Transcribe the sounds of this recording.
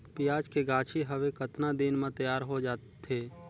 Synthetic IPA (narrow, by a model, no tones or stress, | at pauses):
pijaːd͡ʒkeɡãːt͡ʃʰiɦəʋekət̪nad̪inmẽt̪əjaːɾɦod͡ʒaːtt̪ʰːeː